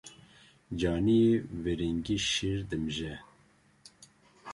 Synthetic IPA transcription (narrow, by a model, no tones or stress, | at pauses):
d͡ʒɑːnijeveɾiŋɡiʃiɾd̪ɨmʒɛ